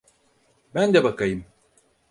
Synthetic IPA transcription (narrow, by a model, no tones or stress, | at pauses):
bænd̪ɛbakajɯm